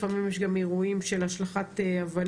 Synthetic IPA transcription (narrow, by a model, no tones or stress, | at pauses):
famimjeʃɡameʁuimʃelaʃlaχat̪eavan